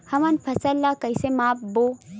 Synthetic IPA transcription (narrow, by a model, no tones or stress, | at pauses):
hɐmɐnpʰɐsɐlːakɐjsemaːp̚boː